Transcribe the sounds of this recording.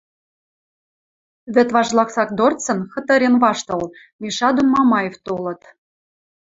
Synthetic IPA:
βɘ̆t̪βɑʒlˠɑksɑk̚d̪ort͡sɤ̆nxɤ̆t̪ɤ̆ɾʲenβɑʃt̪ɤ̆l | mʲiʃɑd̪ummːɑmɑjeft̪olɤ̆t̪

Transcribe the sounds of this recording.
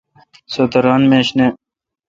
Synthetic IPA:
sot̪ɐɾaːnmeːɕne

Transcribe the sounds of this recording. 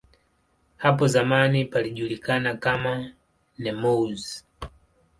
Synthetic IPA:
hapɔzamanipaliʄulikanakama | nɛmɔz

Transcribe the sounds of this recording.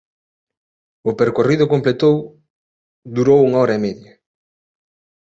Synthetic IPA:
ʊpeɾkoriðʊkomplet̪ow | d̪uɾowuŋaɔɾɐemeðjɐ

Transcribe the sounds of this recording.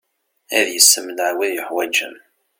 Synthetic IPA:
æðjəsːəmnəʕwiðjəħwæd͡ʒə̰m

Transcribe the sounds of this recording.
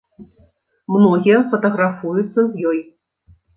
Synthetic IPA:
mnɔɣʲijɐfɐt̪ɐɣɾafujut̪sːɐzjɔj

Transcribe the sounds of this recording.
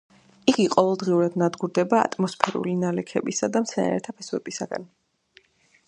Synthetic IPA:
iɡiqʼɔvɛlˠd̪ʁiuɾad̪nad̪ɡuɾd̪ɛba̰ːt̪ʼmɔspʰɛɾṵlinalɛkʰɛbisad̪amt̪sʰɛna̰ɾɛt̪ʰapʰɛsuɛbisaɡa̰n

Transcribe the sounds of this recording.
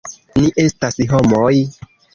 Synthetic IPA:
niʔe̞stasiɦomoj

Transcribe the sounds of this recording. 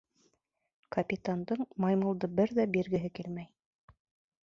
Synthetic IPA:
kɐpʲit̪and̪ɤɴmɑjmɤ̆lˠd̪ɤbɘɾðæbiɾɡɘ̆ɦɘkilmæj

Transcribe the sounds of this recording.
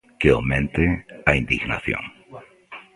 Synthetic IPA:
keomẽnt̪eaind̪ḭɣna̰θjo̰n

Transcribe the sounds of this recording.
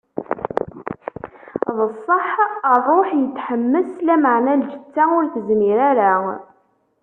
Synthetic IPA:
ðˤəsˤːəħərˤoħjət̪ːħəmːəslæməʕnæld͡ʒət͡sːaʊɾθəzmiɾaɾa

